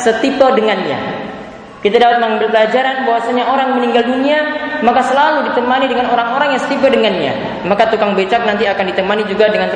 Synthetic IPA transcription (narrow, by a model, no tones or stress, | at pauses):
sət̪ipədəŋanɲa̰ | kit̪adaat̪̚məŋambɪlpəlad͡ʒaɾanbawasaɲaʔoɾaŋməniŋɡalduniamakasəlaludit̪əmanidəŋanoɾaŋoɾaŋjaŋsə̥t̪ip̬ədəŋanɲa̰ | makat̪ukaŋbet͡ʃak̚nant̪iakandit̪əmanid͡ʒuɡadəŋant̪